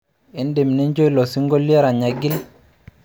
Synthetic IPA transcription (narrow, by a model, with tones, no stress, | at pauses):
i˦nde˨mni˦nd͡ʒo˦jlɔ˨si˦ŋɡo˦li˦e˦ɾa˨ɲa˨ɡi˦l